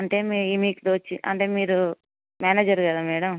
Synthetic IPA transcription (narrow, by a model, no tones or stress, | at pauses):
ɐɳʈeːmiimiːkd̪oːt͡ʃːiʔɐ̰ɳʈeːmiːɾu | maːneːd͡ʒɐɾɡɐd̪aːmɛːɽɐm